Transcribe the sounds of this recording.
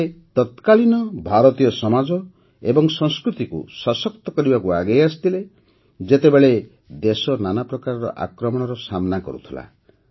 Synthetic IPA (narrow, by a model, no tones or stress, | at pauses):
et̪ɔt̪kalinɔbʱaɾɔt̪ijɔsɔmad͡ʒɔ | ebɔŋsɔŋskɾut̪ikṵsasɔk̚t̪ɔkɔɾibakuaɡejast̪ʰile | d͡ʒet̪ebeɭe | d̪esɔnanapɾɔkaɾɔɾɔ̰ʔa̰kɾɔmɔɽ̃ɔɾɔsamnakɔ̰ɾṵt̪ʰila̰